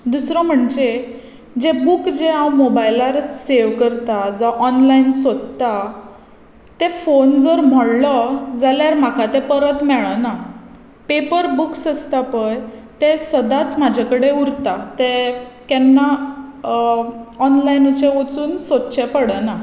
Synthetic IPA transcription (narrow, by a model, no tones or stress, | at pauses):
d̪usɾɔm̤əɳd͡ʑe | d͡ʑebukd͡ʑeãwmobajilaɾseʋkəɾt̪ad͡zɔʔɔnlainsod̪t̪a | t̪efond͡zəɾm̤ɔɽlɔd͡zaljaɾm̤akat̪epəɾət̪mɛɭəna | pepəɾbuksəst̪apəjt̪esəd̪at͡smad͡ʑʱakəɽeuɾt̪at̪ekɛnːa | ɔnlajinut͡ɕẽʋot͡suːnsot̪t͡ɕʰepəɽəna